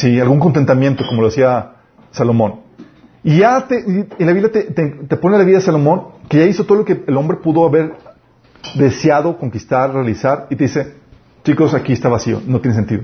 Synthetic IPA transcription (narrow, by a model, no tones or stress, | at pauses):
sialɣuŋko̞nt̪e̞nt̪amje̞nt̪o̞ko̞moloasia | salo̞mõ̞n | iʝat̪eielaβiβljat̪et̪et̪epo̞nealaβiðaðesalo̞mõ̞ŋke̞ʝaiso̞t̪oðolo̞keːlo̞mbɾe̞puðo̞aβe̞ɾ | ðe̞sjaðo̞ko̞ŋkist̪aɾrealisaɾit̪e̞ðise̞ | t͡ʃiko̞sakiest̪aβasio̞̰not̪jenes̬ent̪iðo